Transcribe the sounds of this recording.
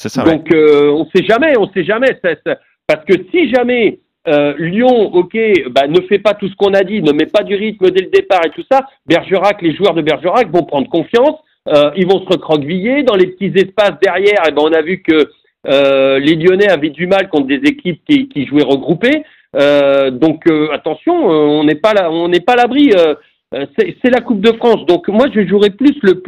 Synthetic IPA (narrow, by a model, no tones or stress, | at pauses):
sɛsad̪ɔ̃køɔ̃sɛʒamɛɔ̃sɛʒamɛsɛsa | paʁsə̥kəsiʒamɛ | øljɔ̃ɔkʲebanəfɛpat̪usə̥kɔ̃nad̪inəmɛpad̪yʁit̪̚məd̪ɛləd̪epaʁet̪usa | bɛʁʒøʁakleʒuœʁd̪əbɛʁʒəʁakvɔ̃pχɑ̃d̪ʁəkɔ̃fjɑ̃s | øilvɔ̃səʁəkχɔɡvijed̪ɑ̃lepə̥t̪izɛspasd̪ɛʁjɛʁebɛ̃ɔ̃navykəː | leljɔnɛavɛd̪ymalkɔ̃t̪χd̪ezekʲip̚kʲikʲiʒuɛʁəɡʁupe | ød̪ɔ̃køat̪ɑ̃sjɔ̃øɔ̃nɛpalaɔ̃nɛpaːlabʁiø | øsɛsɛlakup̚d̪əfχɑ̃sd̪ɔ̃kmwaʒəʒuʁɛplysləp